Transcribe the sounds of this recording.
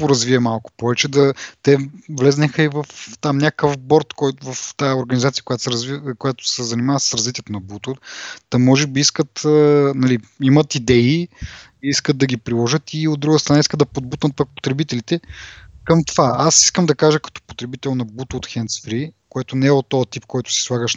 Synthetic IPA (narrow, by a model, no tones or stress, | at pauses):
pʊɾɐzviɛmalˠkʊ̥pɔvɛt͡ʃɛd̪ɐt̪ɛvlɛznɛxəivɐft̪amnʲakəfbɔɾt̪kɔjt̪vɐft̪ajɛoɾɡɐnizat̪siə̥koʊjat̪sɾzvikojat̪ʊ̥sɛzɐnimavəssɾɐzvit̪ʲjɛt̪onɐbut̪ot̪ɐmɔʒɛbiiskət̪ənɐliimɐt̪id̪ɛi | iiskəd̪̚d̪ɐɡʲipɾilˠɔʒət̪iod̪ːɾuɡəst̪ɾɐnaiskət̪d̪ɐpod̪̚but̪nət̪̚pɐk̚po̥t̪ɾɛbit̪ɛlit̪ɛkəmt̪ovaasi̥skəmd̪ɐkaʒəkɐ̥t̪ɔ̥po̥t̪ɾɛbit̪ɛlˠnɐbut̪t̪xɛnt̪sfɾikoɛt̪ʊnɛɛot̪ːɔɐt̪ip̚kɔjt̪ʊ̥si̥slˠaɡəʃ